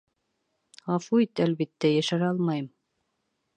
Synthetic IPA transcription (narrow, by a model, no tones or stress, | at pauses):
ɑfuit̪ælβit̪ːæjæʃæɾɑlˠmɑjɤm